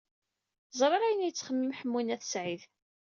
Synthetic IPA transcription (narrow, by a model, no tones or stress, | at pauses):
zˤɾˤɑɾæjənjət͡sːχəmːimħəmːinæθsʕið